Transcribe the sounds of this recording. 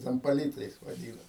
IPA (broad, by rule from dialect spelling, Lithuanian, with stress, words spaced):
ˈtʲɛn pɐˈlʲiːtɐɪs ʋɐˈdʲiːnɐ